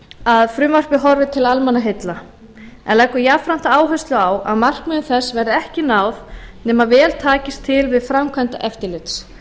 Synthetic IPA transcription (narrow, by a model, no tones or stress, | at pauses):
aðfɾʏmvar̥pɪɦɔɾvɪt̪ʰɪlalmɛnːaɦɪt̪la | ɛ̰nlɛkːʏjafɾan̥t̪aaːwɦœst̪lʏaːwa̰ðmar̥kmɛnʏθɛsːvɛɾðɪɛhcɪnaːwðnɛːmavɛːlt̪ʰaːcɪst̪ʰːɪlvɪðfɾamkʰvant̪aʔɛft̪ɪɾlɪt̪s